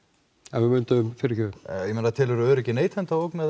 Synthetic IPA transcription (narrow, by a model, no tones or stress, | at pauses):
avɪmʏnt̪aʏmfɪɾɪçœːʏjɛmeːnat̪ʰɪːlɛɾʏœːɾɛcɪneːjt̪ʰhɛnt̪aoːwknað